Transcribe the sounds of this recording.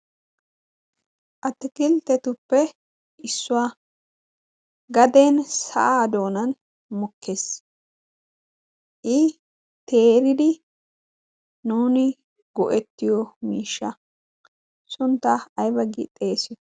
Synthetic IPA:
ʔɐt̪ːɪkɪlt̪ɛt̪ʊpːɛ | ʔɪsːʊwaː | ɡɐd̪eːnsɐ̰ʔaːd̪o̞ːnɐn | mʊkːeːs | ʔɪ | t̪eːɾɪd̪ɪ | nuːnɪ | ɡɔʔɛt̪ːɪjɔmiːʃːɐ | sʊnt̪ːaɐjbɐɡɪ̰t̪ʼːeːsɪ

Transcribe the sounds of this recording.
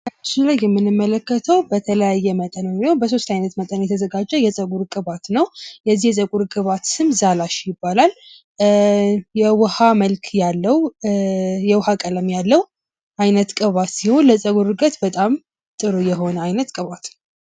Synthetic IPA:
at͡ʃːilajːɛmːɨnːɨmːələkːət̪ʰəwbət̪ʰələjajːɛmət̪ʼənmiobəs̬o̞st̪ajnət̪mət̪ʼənjɛt̪ʰəzəɡad͡ʒːɛjɛsʼəɡuɾkʼɨβat̪nəwjɛzːihjɛsʼəɡʼuɾkʼɨβat̪sɨmzalaʃjɪbːalal | jɛwhaməlkʰjalːəw | jɛwhakʼələmjalːəw | ʔajnət̪kʼɨβat̪siho̞nləsʼəɡuɾɨɡət̪bət̪ʼam | t̪ʼɨɾojɛɦo̞nəajnət̪kʼɨβat̪

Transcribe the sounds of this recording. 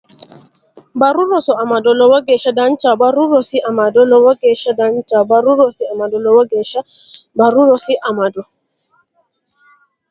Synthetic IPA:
baɾuɾɔsɔamadɔlɔwɔɡɛʃadant͡ʃabaɾuɾɔsiʔamadɔlɔwɔɡɛʃadant͡ʃabaɾuɾɔsiamadɔlɔwɔɡɛʃabaɾuɾɔsiʔamadɔ

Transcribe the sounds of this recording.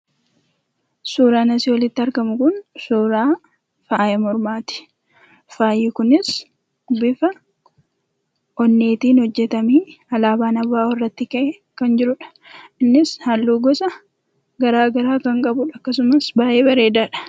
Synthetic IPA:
suːɾaːnɐsɪwɔlɪt̪ːɪɐɾɡɐmʊkʊnsuːɾaː | faːjɛmɔɾmaːt̪ɪ̥ | faːjɪkʊnɪs | bɪfɐ | ʔɔnːe̞ːt̪iːnhɔd͡ʒːɛt̪ɐmiːɐlaːbaːnɐbːaːwɔrːɐt̪ːɪkɐʔ | kɐnd͡ʒɪɾʊᶑɐ̥ | ɪnːɪshɐlːuːɡɔsɐ | ɡɐɾaːɡɐɾaːkɐŋkʼɐbʊᶑɐkːɐs̬ʊmɐsbaːʔe̞ːbɐɾe̞ːd̪aᶑɐ̥

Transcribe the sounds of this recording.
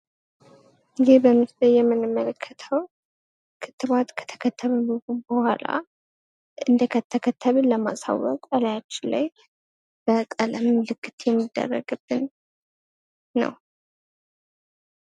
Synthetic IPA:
jɛbəmːɨst̪əjjɛmːɨnɨmːələkʰːət̪ʰəw | kʰɨ̥t̪ːɨβat̪kʰə̥t̪ʰə̥kʰət̪ʰːəβəbɨhubəhʷa̰la̰ | ɨnd̪əkʰət̪ʰːəkʰət̪ʰːəβɨnləma̰sa̰wɔkʼəlajat͡ʃːɪla̰j | b̥ək̪ʼələmlɨkːɨt̪jɛmːid̪ːə̰rːə̰ɡɨb̥ːɨn | ə̰w

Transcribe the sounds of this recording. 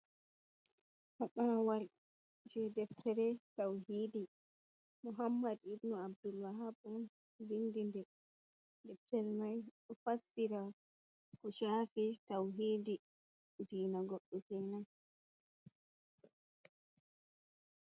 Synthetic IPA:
haɓawaɾ | d͡ʒɛdɛftʰɛɾɛtawɦiːdi | muɦamːadibnɔab̚dulwaɦabun | vindindɛ | dɛftɛɾmajɗɔfasːiɾa | kɔʃafitawɦiːdi | diːnaɡɔɗːɔkɛnan

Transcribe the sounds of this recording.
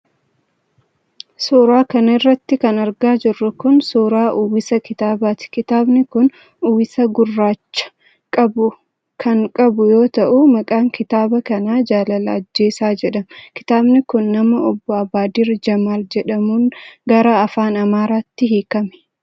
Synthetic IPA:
soːɾaːkɐnɐɪrːɐt̪ːɪkɐnɐɾɡaːd͡ʒɪrːʊkʊnsoːɾaːʔuwɪsɐkɪt̪aːbaːt̪ɪ̥kɪt̪aːbnɪkʊn | uːwɪsɐɡʊrːaːt͡ʃːɐ̥ | kʼɐbʊ | kʰɐŋkʼɐbʊjo̞ːt̪ɐʔumɐkʼaːŋkɪt̪aːbɐkɐnaːd͡ʒaːlɐlɐːd͡ʒːe̞ːsaːd͡ʒɛᶑɐmkɪ̥t̪aːbnɪkʊnːɐmɐɔbːɔɐbaːd̪ɪɾd͡ʒɐmaːld͡ʒɛᶑɐmuːŋɡɐɾaɐfaːnɐmaːɾaːt̪ːɪɦiːkɐmɛ̥

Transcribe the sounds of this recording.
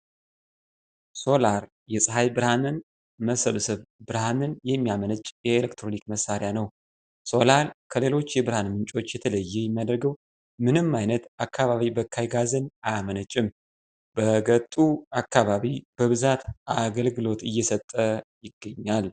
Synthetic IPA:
so̞laɾ | jɛsʼɨɦajbɨɾhanɨn | məsəβsɨβbɨɾhanɨnjɛmːijamənət͡ʃʼjɛelekt̪ʰɾo̞nikməsːaɾɪjanəw | so̞laɾkʰəle̞lo̞t͡ʃːjɛbɨɾhanmɨnt͡ʃʼo̞t͡ʃːjɛt̪ʰələjːɛjɪmːjad̪ɾɡəw | mɨnɨmːajnət̪akːaβaβibəkʰːajɡazɨnamənət͡ʃʼːɪm | b̥əɡət̪ʼːuakːaβaβib̥əβɨzat̪aɡəlɡɨlo̞t̪ɨjːɛsət̪ʼːəjɪɡːəɲːal

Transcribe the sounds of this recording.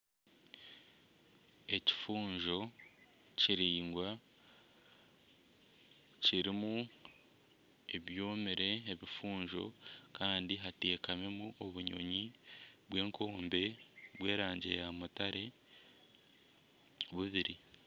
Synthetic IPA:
e̞ci̥fuːɲʒo̞ | ciɾiːŋɡwa | ciɾimu | eβjo̞ːmiɾe̞ːβifuːɲʒo̞̰kaːndiɦateːkame̞muoβuɲo̞̰ɲiβwe̞ːŋkʰo̞ːmbe̞βwe̞ːɾaːɲɟe̞̰jamutaɾe̞ | βuβiɾi

